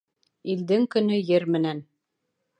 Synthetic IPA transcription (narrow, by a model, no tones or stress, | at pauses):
ild̪ɘŋkɵ̆nɵjɘɾmɘ̆næn